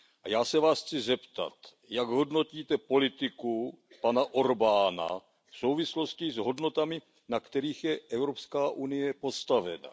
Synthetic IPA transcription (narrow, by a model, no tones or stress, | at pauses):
ʔajaːsɛvaːsxt͡sɪzɛpt̪a̰t̪ | jaɡɦo̞dno̞ciːt̪ɛpo̞lɪt̪ɪku | panaʔo̞ɾbaːna̰ | fsowvɪslo̞scɪzɦo̞dno̞t̪amɪ | nakt̪ɛɾiːxjɛʔɛwɾopskaːʔunɪjɛpo̞st̪avɛ̰na̰